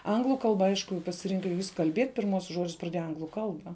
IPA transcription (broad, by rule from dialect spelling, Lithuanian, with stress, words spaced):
ˈɐŋɡlˠʊ ˈkɐlˠbɐ ˈɐɪʃkʊ pɐsʲɪˈrʲɪŋkɐ jɪs kɐlʲˈbʲiɛtʲ pʲɪrˈmuɔsʲʊs ˈʒoːd͡ʒʲʊs prɐˈdʲeːjɛ ˈɐŋɡlˠʊ ˈkɐlˠbɐ